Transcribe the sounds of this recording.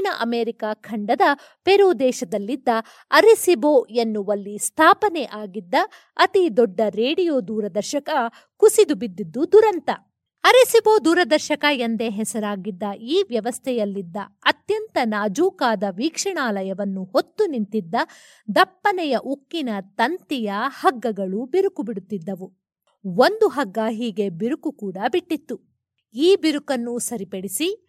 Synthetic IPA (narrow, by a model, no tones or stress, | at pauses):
nɐʔɐmeːɾikaːkʰɐɳɖɐd̪ɐ | peɾuːd̪ɛːʃɐd̪ɐlːid̪ːɐ | ɐɾisiboːenːuʋɐlːist̪ʰaːpɐnɛʔaːɡid̪ːɐ | ɐt̪id̪ɔɖːɐɾeːɽijoːd̪uːɾɐd̪ɐɾʃɐkɐ | kusid̪ubid̪ːid̪ːud̪uɾɐnt̪ɐ | ɐɾisiboːd̪uːɾɐd̪ɐɾʃɐkɐjend̪e̞ɦɛsɐɾaːɡid̪ːɐʔiːʋjɐʋɐst̪ʰɛjɐlːid̪ːɐɐt̪jɐnt̪ɐnaːd͡ʒuːkaːd̪ɐʋiːkʂɐɳaːlɐjɐʋɐnːuhot̪ːunint̪id̪ːɐ | d̪ɐpːɐnɛjɐʔukːinɐt̪ɐnt̪ijɐhɐɡːɐɡɐɭubiɾukubiɽut̪ːid̪ːɐʋu | ond̪uɦɐɡːaːɦiːɡe̞biɾukukuːɽɐbiʈːit̪ːu | iːbiɾukɐnːusɐɾipeɽisi